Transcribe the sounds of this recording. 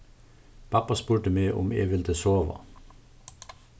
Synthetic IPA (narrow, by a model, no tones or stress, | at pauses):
pʰɑpɑspuːʈəmeːʔʊ̰mḛːʋɪld̪əsoːʋɑ̰